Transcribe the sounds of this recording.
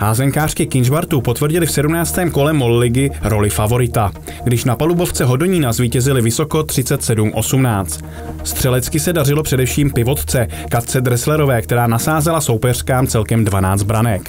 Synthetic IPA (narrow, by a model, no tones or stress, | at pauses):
haːzɛŋkaːr̝̥kɪkɪnʒbaɾt̪upo̞t̪vr̩ɟɪlɪfsɛdumnaːt͡st̪ɛːmko̞lɛmo̞llɪɡɪɾo̞lɪfavo̞ɾɪt̪a | ɡdɪʃnapalubo̞ft͡sɛɦo̞do̞ɲiːnazviːcɛzɪlɪvɪso̞ko̞t̪r̥ɪt͡sɛt̪sɛdumʔo̞sumnaːt͡st̪ | st̪r̝̥ɛlɛt͡skɪsɛdarɪlo̞pr̥ɛdɛfʃiːmpɪvo̞t̪t͡sɛ | kat̪t͡sɛd̪ɾɛslɛɾo̞vɛːkt̪ɛɾaːnasaːzɛlaso̞wpɛr̝̥kaːmt͡sɛlkɛmdvanaːt͡st̪̚bɾanɛk